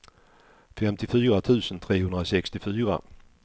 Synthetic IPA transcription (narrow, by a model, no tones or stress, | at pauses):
fɛmt̪ʰɪfyːʁat̪ʰʉ̟ːsənt̪ʰʁeːhɵnʁaosɛkst̪ɪfyːʁa̰